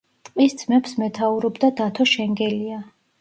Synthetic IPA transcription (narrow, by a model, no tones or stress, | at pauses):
t̪ʼqʼisd̪z̥mɛpsmɛt̪ʰauɾɔbd̪ad̪at̪ʰɔʃɛŋɡɛlia